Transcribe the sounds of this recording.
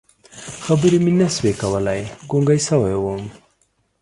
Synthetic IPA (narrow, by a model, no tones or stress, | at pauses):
xɐbɨɾiminɐswekɐwɐlajɡoŋɡajsɐwɐjwom